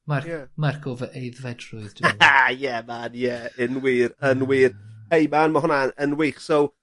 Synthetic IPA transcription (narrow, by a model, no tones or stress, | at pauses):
marjɛmarkʰɔvəʔejðvɛdrʊɨðd̥ajɛmanjɛənwiːɾənwiːrhejmanmaɦʊnaənwejχsɔw